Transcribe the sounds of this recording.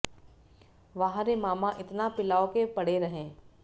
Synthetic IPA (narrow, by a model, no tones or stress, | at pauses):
ʋɐɦãɾemaːmãʔɪt̪napɪlaːokepɐɽ̤eɾɐɦẽː